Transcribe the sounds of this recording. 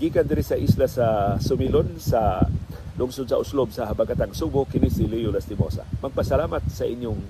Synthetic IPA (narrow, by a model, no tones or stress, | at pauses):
ɡiːkɐnd̪ɪɾisɐʔislasɐsʊmilonsɐ | lʊŋsod̪̚sɐʔʊslob̚sɐhɐbaɡat̪aŋsubʊkɪnisɪlijʊlast̪ɪmo̰sa̰mɐɡ̚pɐsɐlaːmat̪̚sɐʔɪɲjoŋ